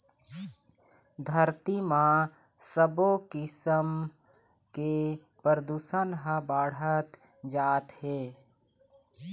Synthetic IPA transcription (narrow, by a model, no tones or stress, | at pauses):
d̪ʱəɾt̪imã | səbokɪsəm | ke | pəɾəd̪uːsənɦə̃baːɽ̤ət̪ | d͡ʒaːt̪heː